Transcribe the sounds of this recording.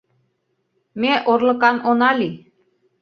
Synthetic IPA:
meʔorlɤ̆kɑnonɑli

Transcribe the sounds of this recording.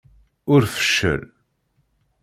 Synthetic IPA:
ʊɾfə̥ʃːə̰l

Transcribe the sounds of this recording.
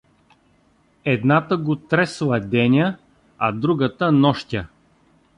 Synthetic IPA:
ɛd̪nat̪əɡot̪ɾɛslˠɐd̪ɛnʲə | ɐd̪ɾuɡət̪ənɔʃt̪ʲə

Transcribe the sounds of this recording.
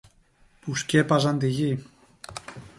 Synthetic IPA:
puskʲepazand̪iɣi

